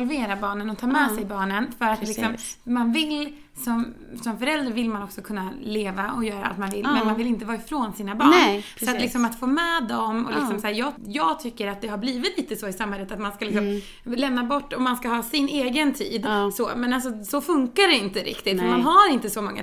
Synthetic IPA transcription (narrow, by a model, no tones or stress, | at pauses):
lveːɾabɑːɳənɔt̪ʰɑːmɛsɛjbɑːɳənfœɾat̪lɪksɔmmanvɪl | sɔm | sɔmfœɾɛld̪ɾaɾvɪlmanɔksɔkʰɵnːaleːvaɔjœːɾaʔa̰t̪manvɪ̰lːmɛnmanvɪlɪnt̪əvɑːɪfɾoːnsiːnabɑːsɔat̪lɪksɔmat̪foːmɛːd̪ɔmɔ̰lɪksɔmsahːɾjɑːjɑːɡt̪ʰʏkːəɾat̪̚d̪ɛɦaɾbliːvɪt̪liːt̪əsɔːɪsamːhɛlːət̪at̪manskalɪksɔm | lɛmnabɔʈːɔmanskahɑːsɪneːɡənt̪ʰḭːd̪soːmɛnalsɔsɔfɵŋkaɖɛɪnt̪əɾʔɪ̰kt̪ɪt̪fɔɾmanɦaɾɪnt̪əsɔmɔŋːa̰